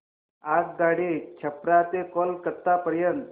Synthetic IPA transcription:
ak̚ɡaɽit͡ɕʰəpɾat̪ekɔlkət̪ːapəɾjənt̪

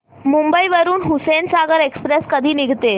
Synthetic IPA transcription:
mumbəiʋəɾuːnɦusensaɡəɾekspɾeskəd̪ʱiːniɡʱt̪e

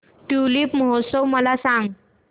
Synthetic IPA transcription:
ʈuliːpməɦot̪səwməlasãŋɡ

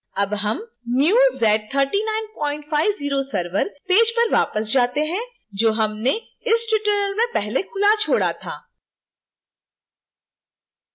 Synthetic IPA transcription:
ɐbɦɐm | njuːzɛːʈ̚t̪ʰəɾʈinaːɪnpɔ̃ːɪ̃ɳʈfaːɪʋziːɾosɐɾʋəɾpeːd͡ʒpɐɾʋaːpəsd͡ʒaːt̪eɦɛ̃ | d͡ʒoːɦɐmne | ɪsʈɪʈəːnəlmẽpɛɦlekʰʊlat͡ʃʰoːɽat̪ʰaː

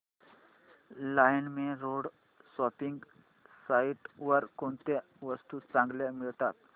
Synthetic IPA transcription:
lajnmẽɾoɽ | sɔpiŋɡ | saiʈʋəɾkɔɳt̪e | ʋəst̪ut͡sãŋɡlemiɭt̪at̪̚

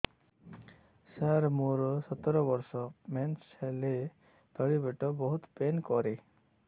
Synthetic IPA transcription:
saɾmoɾsɔt̪ɔɾɔbɔɾsɔmɛnsele | d̪ɔɽibeʈɔbɔɦut̪penkɔɾe

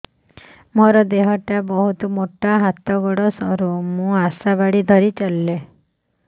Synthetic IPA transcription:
mɔɾɔd̪eɦɔʈabɔɦut̪ɔmoʈaɦat̪ɔɡɔɽɔsɔɾumũasabaɽid̪ʱɔɾit͡ʃalːe

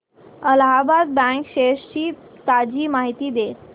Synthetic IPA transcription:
əlɦabad̪̚bɛ̃kɕeʂt͡ɕiː | t̪ad͡ʑiːmaɦit̪iːd̪e

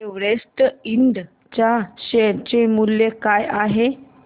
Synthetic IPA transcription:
eʋɽesʈ̪iɳɖ̪ | t͡ɕaɕet͡ɕemuljekajaɦe

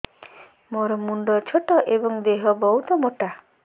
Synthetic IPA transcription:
moɾɔmuɳɖɔt͡ʃʰoʈɔʔebɔŋd̪eɦɔbɔɦut̪ɔmoʈa

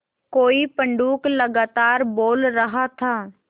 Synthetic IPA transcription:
koːipə̃ɳɖuːklɐɡaːt̪aːɾboːlɾəɦat̪ʰaː

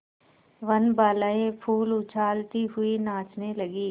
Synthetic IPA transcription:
ʋɐnbaːlaẽpʰuːlʊt͡ʃʰaːlt̪iɦʊinãːt͡ʃnelɐɡiː

